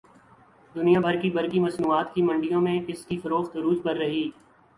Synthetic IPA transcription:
d̪ʊnijãbʱɐɾkibɐɾkimɐsnuːaːt̪kimɐ̃ɳɖijõmẽɪskifɐɾoːxt̪ɾuːd͡ʒpɐɾːɐɦiː

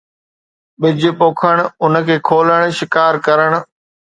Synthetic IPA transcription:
ɓɪd͡ʑɪpoːkʰəɽ̃ʊnkʰeːkʰoːləɽ̃ʃɪkaːɾkɐɾəɽ̃ʊ

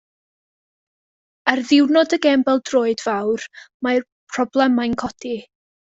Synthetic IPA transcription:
ərðɪwnɔdəɡɛmbɛlˠdroːɨdvawrmar | pʰrɔblˠɛmajnkʰɔdi

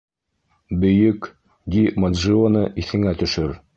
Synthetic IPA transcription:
bɵ̆jɵk | d̪ʲimɐd̪ʒionɤʔiθɘ̆ŋæt̪ɵ̆ʃɵɾ

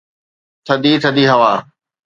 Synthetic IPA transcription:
t̪ʰɐd̪iːt̪ʰɐd̪iːɦɐʋaː

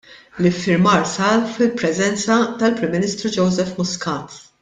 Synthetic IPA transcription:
lɪfːɪɾmɐːɾsɐːlfɪlpɾɛzɛnt͡sɐt̪ɐlpɾɪmːɪniːst̪ɾud͡ʒɔwzɛfmʊskɐːt̪

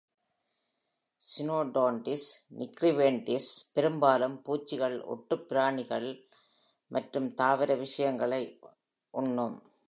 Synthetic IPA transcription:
sɪnoːɖoːɳʈɪsnɪkɾɪʋeːɳʈɪspɛɾɯmbaːlɯmpuːt͡ʃːɪɣɐɭʔɔ̰ʈːɯpːɪɾaːɳɪɣɐɭ | mʔɐʈrɯmt̪aːʋɐɾɐʋɪʂɐjɐŋɡɐɭɐɪ | ʔʊɳːɯm

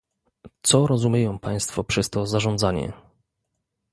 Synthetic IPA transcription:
t̪sɔɾɔzumʲjejɔ̃w̃paj̃st̪fɔpʂɛst̪ɔzaʐɔnd̪zaɲɛ̰

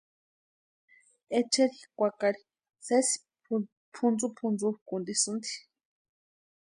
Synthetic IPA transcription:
et͡ʃeɾikʷakaɾi̥ | sesi̥ | pʰund͡zupʰund͡zukund̪isund̪i̥

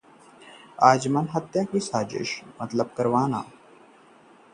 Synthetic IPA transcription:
aːd͡ʑmənɦət̪jakisaːd͡ʑḛːʃmət̪ləb̚kəɾʋaːna̰ː

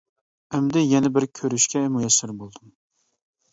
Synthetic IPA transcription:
ɛmd̪ɪjɛnɛbɪɾkʲʰøɾyʃkʲʰɛmujɛsːɪɾbolˠd̪um

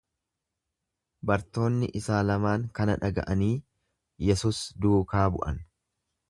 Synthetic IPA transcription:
bɐɾt̪o̞ːnːɪʔɪsaːlɐmaːŋkɐnɐᶑɐɡɐ̰ʔɐniː | jɛsuːsd̪uːkaːbʊ̰ʔɐ̰n

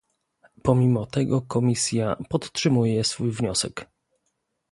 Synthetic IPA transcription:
pɔmʲimɔt̪ɛɡɔkɔmʲisʲjapɔt̪ʂɘmujɛsfujvɲɔsɛk

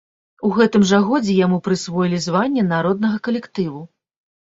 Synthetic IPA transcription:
uɣɛt̪ɨmʐaɣɔd͡zʲɛjamupɾɨsvɔjilʲizvanʲːɛnaɾɔd̪̚nɐɣɐkɐlʲɛkt̪ɨvu

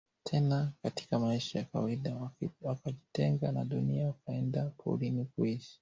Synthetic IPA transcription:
tʰɛnakati̥kamaiʃajakawaiɗawakaʄitɛŋɡanaɗuniaukaɛndapʰɔ̰ṵlinikuiʃi̥

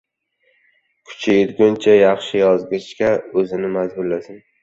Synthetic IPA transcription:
kʰʊ̥t͡ʃʰajet̪ɡʲʊnt͡ʃʰajɑχʃɪjɒzɡɪt͡ʃkʲaɵzɪnɪmazbʊɾlasɪn

